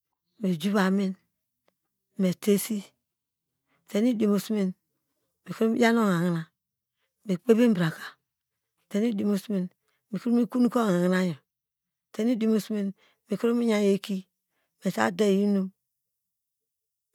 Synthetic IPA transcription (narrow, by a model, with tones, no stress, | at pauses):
me˨d͡ʒu˦βa˨mi˦n˨ | me˨te˦si˦˨ | te˨ni˦di˨mu˨smi˦n | me˨kɾo˦m˦ja˦no˦ŋa˨ŋi˨na˨ | me˨k͡pe˦be˦m˦bɾa˨kḁ˨ | te˨ni˦di˨mu˦smi˨n | mi˨ku˦mi˦ku˦nu˦ko˦ŋa˨ŋi˨na˦ɲo˨ | te˦ni˦di˨mu˦smi˦n | me˨ku˦ɾo˦mi˦ɲa˦je˦ki˦ | me˨sa̰˦de˦˨i˦nu˦m